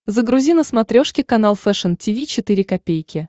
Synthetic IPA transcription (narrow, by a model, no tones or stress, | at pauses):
zəɡɾʊzʲinəsmɐt̪ɾʲoʂkʲɪkɐn̪alˠfɛʂəntʲivʲit͡ɕɪt̪ɨɾʲɪkɐpʲejkʲɪ